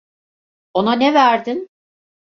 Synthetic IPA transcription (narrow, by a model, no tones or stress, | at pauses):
o̞nanɛvæɾd̪in